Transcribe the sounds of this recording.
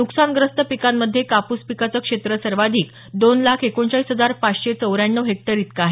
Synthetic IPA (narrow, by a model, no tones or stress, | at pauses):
nuksanɡɾəst̪əpikamːəd̪ʱːjekapuːspikat͡səkʂet̪ɾəsəɾʋad̪ʱiːk | d̪onlakʰekoɳɕaisɦəd͡zaɾpat͡sɕet͡səwɾjanːəɦek̚ʈəɾit̪kaɦe